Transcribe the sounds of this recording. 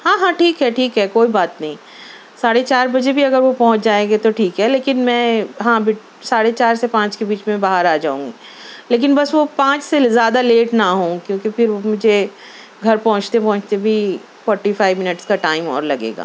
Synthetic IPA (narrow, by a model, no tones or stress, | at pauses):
ɦãːɦãʈʰiːkɦɛʈʰiːkɦɛkoːibaːt̪nɐɦĩ | saːɽet͡ʃaːɾbɐd͡ʒebʱiɐɡəɾʋopɐ̃ɦʊ̃t͡ʃd͡ʒaːeːŋɡet̪oʈʰiːkɦɛleːkɪnmɛ̃ːɦãːbɪ | saːɽet͡ʃaːɾsepãːt͡ʃkebiːt͡ʃmẽbaːɦəɾaːd͡ʒa̰ːṵ̃ːŋɡiː | leːk̬ɪnbɐsʋopãːt͡ʃsezjaːd̪aleːʈnaɦõːkjõːkifʰɪɾomʊd͡ʒʱe | ɡʱɐɾpɐ̃ɦʊ̃t͡ʃt̪epɔ̃ɦʊ̃t͡ʃt̪ebʱi | fɔːɾʈifaːɪʋmɪnəʈskaʈaːɪmɔ̰ːɾlɐɡḛːɡa̰ː